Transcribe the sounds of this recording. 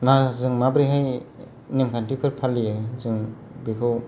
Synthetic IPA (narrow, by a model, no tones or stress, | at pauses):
nazɯŋmabɾiɦaj | nemkʰantipʰɯɾpʰalːizɯŋ | bikʰɯw